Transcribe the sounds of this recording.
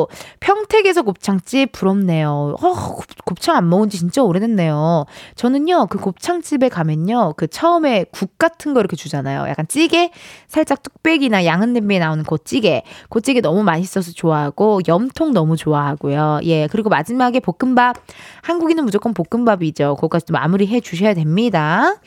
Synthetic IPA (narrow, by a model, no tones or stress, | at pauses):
pʰjʌŋtʰe̞ɡe̞sʰʌkop̚t͡ɕʰaŋt͡ɕ͈ipp͈ːuɾʌmne̞joʌkop̚t͡ɕʰaŋanmʌɡɯnd͡ʑit͡ɕint͡ɕ͈aoɾedenːe̞jot͡ɕʌnɯɲokɯkop̚t͡ɕʰaŋt͡ɕ͈ibe̞kamjʌɲokɯt͡ɕʰʌɯme̞kuk̚k͈atʰɯnɡʌiɾʌkʰe̞t͡ɕud͡ʑanajo̰ja̰k͈ant͡ɕ͈iɡe̞sʰaɭt͡ɕ͈ak̚tʰu̥k̚p͈e̞ɡinajaŋɯnːembienaonɯnkot̚t͡ɕ͈iɡe̞kot͡ɕ͈iɡenʌmumaɲis͈ʌs̬ʰʌt͡ɕoaɦaɡ̥ojʌmtʰoŋnʌmut͡ɕoaɦaɡ̥ojoje̞kɯɾiɡomad͡ʑimaɡe̞pok͈̚ɯmbab̚hanɡuɡinɯnmud͡ʑok͈ʌnpok͈ɯmbabiːd͡ʑokɯʌk͈at͡ɕ͈oma̰muɾiɦe̞d͡ʑuɕ̬ʰʌjadwemɲida